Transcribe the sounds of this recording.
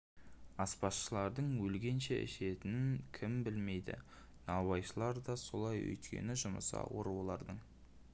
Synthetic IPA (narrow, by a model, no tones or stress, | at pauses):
ɑspɑsʃəlˠɑɾd̪əɴwɵlɡʲe̞nʃeʔɪ̰ʃe̞t̪ɪnɪnkʲʰɪmbɪlme̞jd̪ɪ̰ | nɑwɑjʃəlˠɑɾd̪ɑso̞lˠɑjɵ̰jt̪kʲḛnɪʒʊmə̰sɑ̰woɾuwlˠɑɾd̪əɴ